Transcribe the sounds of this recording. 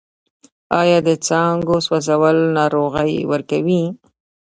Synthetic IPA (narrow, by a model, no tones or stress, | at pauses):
ɑjɑd̪ət͡sɑŋɡoswazawəlnɑɾoɣəjwəɾkawi